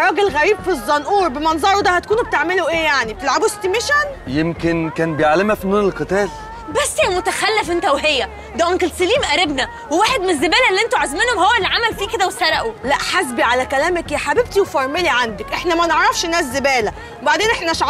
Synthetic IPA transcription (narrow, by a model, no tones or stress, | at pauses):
rˤɑːɡelɣæɾiːbfizˤːɑnʔuːɾˤbemɑnzˤɑɾˤod̪æhæt̪ækuːnb̚et̪eʕmeloʔeːjaʕni̥t̪elʕabost̪imeʃænjemkenkæːnbejaʕlemæfinuːnelqɨt̪æːl | bæsːjælmot̪æxælːefʔent̪æwɦejːæ | d̪æʔoŋkelsæliːmʔæɾebnæ | wewaːħed̪menezːebæːlælːiʔent̪oʕazmenhomhowːælːʕamælfiːked̪æwesɑɾˤɑʔolæʔħasbiʕalækælæːmækjæħabeb̚t̪iwfɑɾˤmeliʕand̪ækʔeħnæmæneʕɾˤɑfʃʔenːæːszːebæːlæ | ebaʕd̪eːnʔeħnæʃ